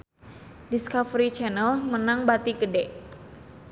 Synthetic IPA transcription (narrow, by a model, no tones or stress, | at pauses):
diskafɾit͡ʃɛnəlmənaŋbat̪iɡədɛʔ